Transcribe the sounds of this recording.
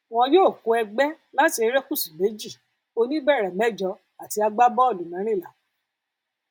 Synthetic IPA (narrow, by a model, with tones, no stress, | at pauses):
w̃ɔ̃˧joː˦˨ko˧˦ɛ˧ɡ͡bɛ˦ | la˦ti˧˦ɾɛ˦ku˦˨sĩ˨me˨˦d͡ʒi˦˨ | o˧nĩ˦bɛ˦˨ɾɛ˨mɛ˨˦˨d͡ʒɔ˧ | a˨ti˧˦a˧ɡ͡ba˦bɔ˦o˦˨lu˨˦nã˨˦ɾ̃ĩ˦˨la̰˨˦